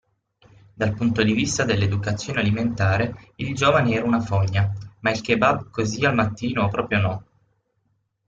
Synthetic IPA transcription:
d̪alpunt̪od̪ivist̪ad̪elːed̪ukat̪sːjoːnealiment̪aːɾeild͡ʒoːvaneɛːɾaunafoɲːamailkebabkozialmat̪ːiːnopɾɔːpɾjonɔ

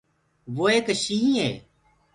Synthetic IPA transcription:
ʋoːeːkʃiːɦĩːɦḛː

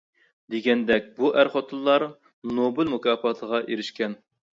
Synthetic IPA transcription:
d̪eɡʲɛnd̪ɛk̚ʲbuʔæɾχot̪ʰɨlˠːɑɾ | nobɪlmukʲʰɑːpɑt̪ʰəʁɑʔeɾɪʃkʲɛn

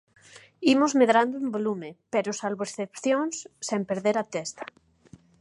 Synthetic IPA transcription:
imʊzmeðɾand̪ʊumbolumepeɾʊsalβoesθepθjoŋsːempeɾðeɾat̪est̪ḁ

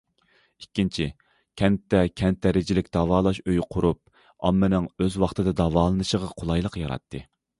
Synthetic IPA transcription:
ikʲːint͡ʃʰi | kʲʰɛnt̪ːɛkʲʰɛnt̪ʰːɛɾɪd͡ʒɪlɪkʲd̪̥ɑvɑːlˠɑʃøjqʰʊɾup̚ | ɑmːɨnɨŋøzwɑχt̪ɨd̪ɨd̪ɑvɑːlˠɨnɨʃəʁɑqʰolˠɑjlˠəqjɑɾɑ̰t̪ʰːɨ

